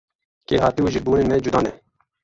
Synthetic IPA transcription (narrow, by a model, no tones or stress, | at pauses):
keːɦaːt̪iuʒibuːnemeːd͡ʒud̪ɑːnɛ